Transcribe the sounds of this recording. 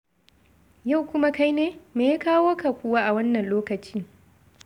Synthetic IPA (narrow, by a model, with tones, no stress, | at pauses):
ja˦˨wkʷʊ˦ma˦ka˦jneː˦meː˨ja˦kaː˦woː˦ka˨kʷʊ˦waː˦ʔa˨wɐ˦nːɐ˨nloː˦kɐ˨t͡ʃiː˦